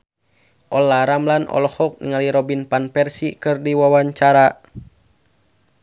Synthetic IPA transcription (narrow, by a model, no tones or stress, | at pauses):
ʔɔlaɾamlanʔɔ̰lɔhɔk̚nḭŋaliɾɔbinpanpɛrsikɨrdiwawaɲt͡ʃaɾa